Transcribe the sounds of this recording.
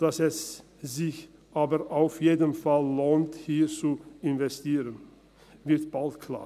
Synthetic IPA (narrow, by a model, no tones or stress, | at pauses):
d̥asɛs | zɪç | ʔaːbəʔaʊfjeːdəmfalːoːnthiːt͡suɪnvɛstiːʁən | vɪɐtb̥altkʰl̥a̰ː